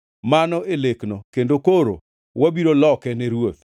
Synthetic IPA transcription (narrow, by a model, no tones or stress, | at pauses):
manɔeleknokendokoɾo̰ | wabiɾolɔkɛnɛɾwot̪